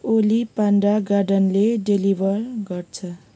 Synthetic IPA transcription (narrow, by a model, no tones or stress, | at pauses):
olipaɳɖaɡaɖʌnleɖelibʱʌɾɡʌrt͡sʰʌ